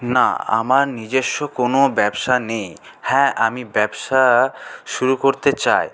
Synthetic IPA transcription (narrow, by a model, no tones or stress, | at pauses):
na̰a̰maɾnid͡ʑeʃːokonobɛbʃanej | hɛ̃ʔamibɛbʃaʃuɾukoɾt̪et͡ɕaj